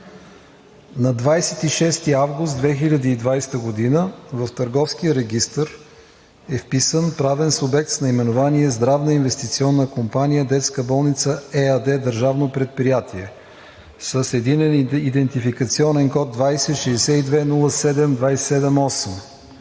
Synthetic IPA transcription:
nɐd̪vajsɛt̪iʃɛst̪iavɡʊst̪d̪vɛxilʲəd̪iːd̪vajst̪əɡod̪inəvəft̪əɾɡɔfsk̟ijəɾɛɡʲist̪əɾ | ɛfpisənpɾavɛnsubɛk̚t̪snɐimɛnovaniɛzd̪ɾavnəinvɛst̪it̪siɔnːəkompanijəd̪ɛt̪skəbɔlˠnit̪səɛəd̪ɛd̪əɾʒavnopɾɛt̪̚pɾijat̪iɛ | səsɛd̪inɛnid̪ɛnt̪ifikət̪siɔnɛnkɔt̪̚d̪vajsɛt̪ʃɛsɛid̪vɛnulˠəsɛd̪ɛmd̪vajsɛ̥sɛd̪ɛmɔsɛm

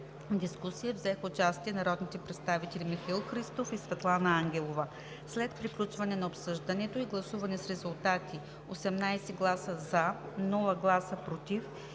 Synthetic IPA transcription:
d̪iskusijəvzɛxʊt͡ʃast̪iɛnɐɾɔd̪nit̪ɛpɾɛt̪st̪avit̪ɛlʲimixɐilˠxɾist̪ofisvɛt̪lˠanəaŋɡʲɛlˠovə | slɛt̪pɾiklʲut͡ʃvɐnɛnɐopsɤʒd̪ɐnɛt̪oiɡlˠɐsuvɐnɛsɾɛzulˠt̪at̪i | osɛmnajsɛɡlˠasəza | nɔlˠəɡlˠasəpɾot̪if

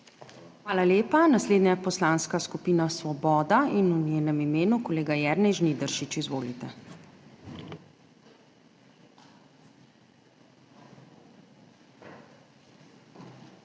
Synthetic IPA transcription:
xʋaːlaleːpanasleːd̪ɲʲjapɔslaːnskaskupiːnasʋɔbɔːd̪ainuɲeːnɛmimeːnukɔleːɡajɛɾnɛjʒnid̪əɾʃit͡ʃizʋoːlit̪ɛ

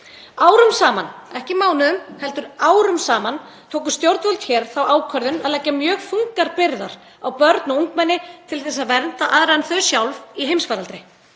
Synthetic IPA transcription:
aːwɾʏmsaːmanɛhcɪmaːwnɪðʏmhɛlt̪ʏɾaːwɾʏmsaːmant̪ʰoːwk̬ʏ̥st̪jowɾt̪vœlt̪çɛːɾ̥θawaːwkʰœɾðʏnaðlaːjcːamjœːɣfuŋkaɾpɪɾðaɾ̥ | awpœɾt̪nɪuŋkmɛnːɪt̪ʰɪlθɛs̬ːaðvɛnt̪aʔaðɾanθœɥsjawlviɦejmsfaːɾalt̪ɾɪ

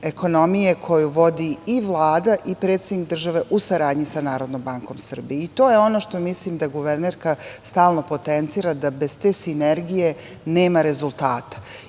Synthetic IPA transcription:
e̞ko̞no̞mijekʰo̞juʋo̞d̪iiʋlˠaːd̪aʔipɾe̞ːt̪sed̪nikd̪r̩ʒaʋe̞ʔusaɾaːd̪ɲisanaːɾo̞d̪noːmbaŋko̞msr̩bieit̪o̞ːje̞o̞no̞ʃt̪o̞misliːmd̪aɡuʋeɾneːɾkast̪aːlˠno̞po̞t̪ent̪siːɾad̪abe̞zt̪eːsineɾɡije̞ | ne̞ːmaɾe̞zulˠt̪a̰ːt̪ḁ

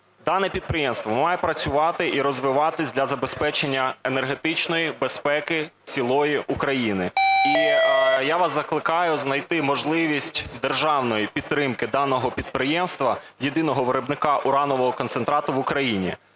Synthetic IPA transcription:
d̪ɑnɛpʲid̪̚pɾɪjɛmst̪ʋɔmɑjɛpɾɐt͡sʲʊʋɑt̪ɪʔiɾɔzʋɪʋɑt̪ɪsʲd̪ʲlʲɐzɐbespɛt͡ʃenʲːɐenerɦe̞t̪ɪt͡ʃnɔjibe̞spɛkɪ | t͡sʲilˠɔjiʔukɾɐjinɪijaʋɑszɐklˠɪkɑjʊznɐjt̪ɪmɔʒlˠɪʋʲisʲtʲd̪erʒɑwnɔjipʲit̪ːɾɪmkɪd̪ɑnɔɦɔpʲid̪̚pɾɪjɛmst̪ʋɐ | jed̪ɪnɔɦɔʋeɾɔbnɪkɑʔʊɾɑnɔʋɔɦɔkɔnsent̪ɾɑt̪ʊʋʊkɾɐjinʲḭ

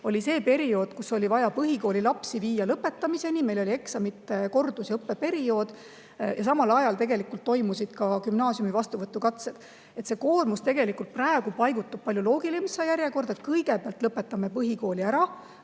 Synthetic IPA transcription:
o̞lʲise̞ːpe̞ɾio̞ːd̪̥kuso̞lʲivɑjɑpɤɦiko̞ːlilɑpsiviːjɑlɤpːe̞t̪ːˑɑmise̞nime̞jlo̞lie̞ksɑmit̪ːˑeko̞rd̪usjɤpːe̞pe̞ɾio̞ːd̪̥ | jɑsɑmɑlɑjɑlt̪e̞ɡe̞likːˑult̪ːo̞jmusid̪̥kɑkymnɑːsjumivɑst̪uvɤt̪ːˑukɑt̪sed̪̥ | e̞t̪se̞ko̞ːrmust̪e̞ɡe̞likult̪̚præeɡ̥upɑjɡ̥ut̪ːˑub̥̚pɑlʲjulo̞ːɡ̥ilimsɑjæɾjeko̞rd̪̥et̪̚kɤjɡ̥e̞peɑlt̪lɤpːˑe̞t̪ːˑɑme̞pɤɦiko̞ːlʲiæɾɑ

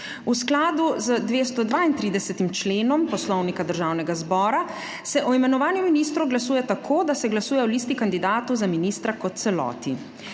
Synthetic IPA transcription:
usklaːd̪uzəd̪ʋeːst̪ɔd̪ʋaint̪ɾiːd̪ɛsɛt̪imt͡ʃleːnɔmpɔslɔwnikad̪əɾʒaːwnɛɡazbɔːɾa | sɛʔɔimɛnɔʋaːnjuminiːst̪ɾuɡlasuːjɛt̪akʰoːd̪asɛɡlasuːjɛɔliːst̪ikand̪id̪aːt̪ɔwzaminiːst̪ɾakɔt̪̚t̪sɛlɔ̰ːt̪i

